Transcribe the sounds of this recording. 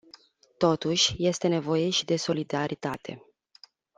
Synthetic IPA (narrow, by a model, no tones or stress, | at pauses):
t̪o̞t̪uʃʲje̞st̪e̞ne̞vo̞je̞ʃid̪e̞so̞lid̪aɾit̪at̪ʰe̞